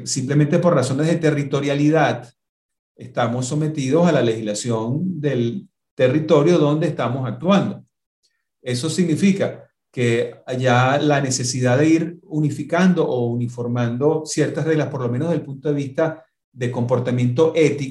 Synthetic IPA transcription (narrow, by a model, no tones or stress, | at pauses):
simplement̪̬e̞po̞rraso̞nezðe̞t̪e̞rit̪o̞ɾjaliðað | e̞st̪amo̞sːo̞me̞t̪ið̞o̞salalehizlasjo̞nd̪e̞l | t̪e̞rit̪o̞ɾjo̞ðo̞nd̪eːst̪amo̞sak̚t̪wand̪o̞ | e̞so̞siɡnifika | ke̞aʝalane̞se̞sið̞aðe̞iɾunifikand̪o̞ʔounifo̞ɾmãnd̪o̞sje̞ɾt̪asre̞ɣlaspo̞ɾlo̞menoelpunt̪o̞ðe̞βist̪a | ðe̞ko̞mpo̞ɾt̪amjẽ̞nt̪̬o̞ʔe̞t̪i